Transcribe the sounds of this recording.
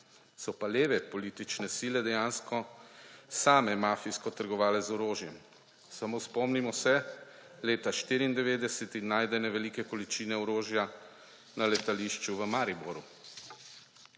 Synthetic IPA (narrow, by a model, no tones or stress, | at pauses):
sɔpaleːʋɛpɔliːt̪it͡ʃnɛsiːlɛd̪ɛjaːnskɔ | saːmɛmaːfijskɔt̪əɾɡɔʋaːlɛzɔɾoːʒjɛm | samoːspɔmnimɔsɛ | leːt̪aʃt̪iːɾiːnd̪ɛʋeːd̪ɛsɛt̪inaːjd̪ɛnɛʋɛliːkɛkɔlit͡ʃiːnɛɔɾoːʒja | nalɛt̪aliʃt͡ʃuʋəmaɾibɔɾu